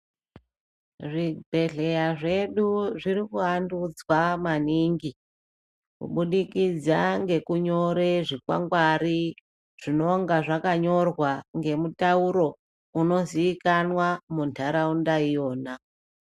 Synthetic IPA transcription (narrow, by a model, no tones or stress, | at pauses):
ʐibʱe̞ɮe̞jaʐe̞ɗuʐirikuɦandud͡zwamaniŋɡi | kṵɓuɗikid͡zaŋɡe̞kuɲo̞ɾe̞ʐikwa̰ŋɡwari | ʐ̥ino̞ŋɡaʐakaɲo̞rwaŋɡe̞mutauɾo̞ | uno̞ziːkanwamuntʰaɾaundaijo̞ːna